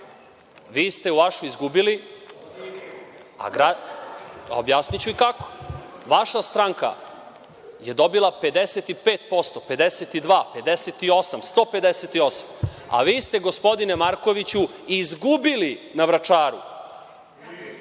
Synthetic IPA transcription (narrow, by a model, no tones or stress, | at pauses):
ʋiːst̪e̞uʋaʃuizɡubili | a̰ɡɾa | o̰bjaːsnit͡ɕuikako̥ʋaʃast̪ɾaŋka̰ | je̞d̪o̞bilˠape̞d̪eset̪ipeːt̪̚po̞st̪o̞pe̞d̪eset̪id̪ʋaːpe̞d̪eset̪io̞samst̪o̞ːpe̞d̪eset̪io̞sama̰ʋiːst̪e̞ɡospo̞d̪inemaɾko̞ʋit͡ɕuizɡubilinaʋɾat͡ʃaːɾṵ